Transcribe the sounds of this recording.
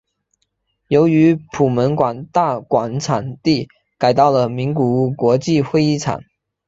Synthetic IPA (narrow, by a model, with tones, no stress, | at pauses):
jo˧˥ʊy˧˥pʰu˨˩mə˧˥nkwa˨˩nt̪a˥˩kwa˨˩nʈ͡ʂʰa˨˩nt̪i˥˩ | ka˨˩ɪt̪ɑ˥˩ʊlə˩mi˧˥ŋku˨˩˥kwɔ˧˥t͡ɕi˥˧xwe˥˧ɪi˥˩ʈ͡ʂʰa̰˨˩˦n